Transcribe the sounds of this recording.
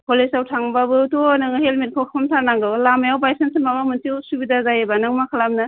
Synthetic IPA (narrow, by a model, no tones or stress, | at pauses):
pʰolesawtʰaŋbabɯtonɯŋɦelmit̚kʰɔkʰɔmtʰanaŋɡɯwlamajawbajsensimabamɯntiwsubidazajebanaŋmakʰalamnɯ